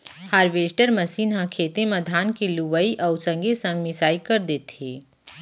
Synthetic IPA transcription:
haːɾʋeːsʈəɾmɐsiːnɦãkʰeːt̪emɐd̪ʱaːnkiluʋəiʔɐʊsə̃ŋɡesɐ̃ŋɡmɪsaːikɐɾd̪eːt̪eː

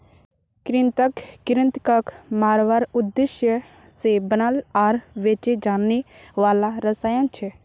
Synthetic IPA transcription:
kɾɪnt̪əkkɪɾɪnt̪kɐkmaːɾʋaːɾʊd̪ːɪʃjə | sebənalaːɾʋeːt͡ʃed͡ʒaːnːeʋaːlaɾəsaːjãnt͡ʃʰɛ

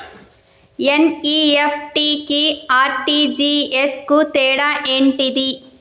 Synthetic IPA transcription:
eniːepʰʈikiaːɾʈid͡ʒieskut̪ɛːɽaʔeɳʈid̪i

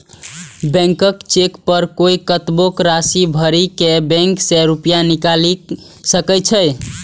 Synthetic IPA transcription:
bɛ̃ŋkəkt͡ʃekpəɾkoikət̪bokɾasibʱəɾikebɛ̃ŋksɛɾupjanikali | səkɛt͡ʃʰə

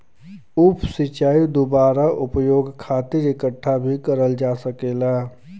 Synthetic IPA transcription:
ʊpʰsɪt͡ʃaːid̪obaːɾaʔʊpjoːɡkʰaːt̪ɪɾɪkəʈʰːabʱikəɾəld͡ʒaːsəkeːlaː

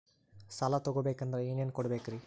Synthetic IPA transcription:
sɐlat̪oɡobeːkɐnd̪ɾɐjuːnijɐnkɔɽɐbeːkɾi

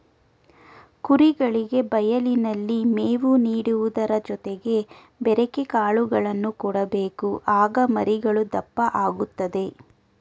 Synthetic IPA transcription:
kuɾiɡɐɭiɡe̞bɐjɐlinɐlːimeːʋuniːɽuʋud̪ɐɾɐd͡ʒɔt̪eɡe̞ | bɛɾekekaːɭuɡɐɭɐnːukɔɽɐbe̞ːkuʔaːɡɐmɐɾiɡɐɭud̪ɐpːɐʔaːɡut̪ːɐd̪e̞

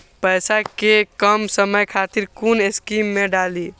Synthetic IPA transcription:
pəjsakekəmsəməjkʰat̪iɾkuneskimːẽɖali

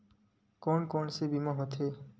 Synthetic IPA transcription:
kɔnkɔnsebimɔɦot̪ʰe

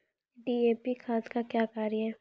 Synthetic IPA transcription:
ɖiːeːpikʰãːskakjaːkaːɾjɦɛː

